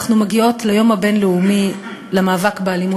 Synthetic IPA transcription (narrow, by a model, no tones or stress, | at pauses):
χnumeɡio̞tlejo̞mhabe̞nleumilemaːvakbealimu